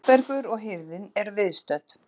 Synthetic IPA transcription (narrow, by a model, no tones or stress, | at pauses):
pɛɾkʏɾɔɣɦɪɾðɪnɛɾvɪðst̪œt̪